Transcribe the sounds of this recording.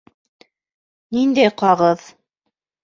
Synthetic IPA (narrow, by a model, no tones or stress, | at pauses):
nind̪æjqɑʁɤð